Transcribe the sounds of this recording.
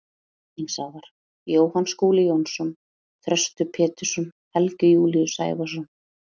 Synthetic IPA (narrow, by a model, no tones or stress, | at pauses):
insaɣðaɾ̥ | joːwhanskuːlɪjownsɔn | θɾœst̪ʏpʰɛːt̪ʏsʏmhɛlcʏjuːliʏsa̰ːjvasɔn